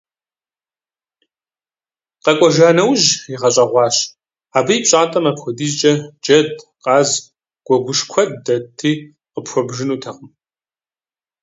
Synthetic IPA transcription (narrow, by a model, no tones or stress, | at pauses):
qɐkʷʼɔʒaːnɐwʒiʁɐɕʼɐʁʷɑːɕ | aːbɨjipɕʼaːtʼɐmapxʷɔdiːt͡ʃʼɐd͡ʒɐdqʼɑːz | ɡ̥ʷɔɡʷʊʂkʷʰɔd̚ːɐtʰiː | qəpxʷɔbʒɨnuːtʰɐqəm